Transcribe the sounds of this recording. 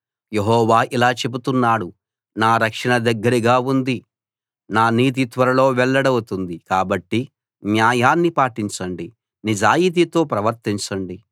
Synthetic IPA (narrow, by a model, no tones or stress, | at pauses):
jeɦɔːʋaːʔilaːt͡ʃe̞but̪unːaːɽu | naːɾɐkʂɐɳɐd̪ɐɡːɐɾiɡaːund̪i | naːniːt̪̬it̪ʋɐɾɐlo̞ːʋɛɭːɐɽɐwut̪und̪ikaːbɐʈːi | njaːjaːnːipaːʈiɲt͡ʃɐɳɖi | nid͡ʒaːjit̪̬it̪o̞ːpɾɐʋɐɾt̪iɲt͡ʃɐɳɖi